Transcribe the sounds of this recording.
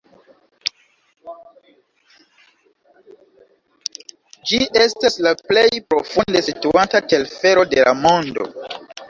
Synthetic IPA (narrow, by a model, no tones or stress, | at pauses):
d͡ʒiʔe̞staslaple̞jpɾo̞funde̞situatate̞lfe̞ɾo̞de̞lʔa̰mo̞ndo̞̰